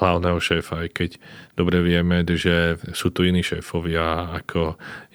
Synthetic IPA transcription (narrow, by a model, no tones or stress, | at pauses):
laʊnɛːɦɔʃɛːfaːjkɛcd̪̥ɔbɾɛʋɪɛmɛʒɛsuːt̪uiniːʃɛ̰ːfɔʋɪaːkʰɔ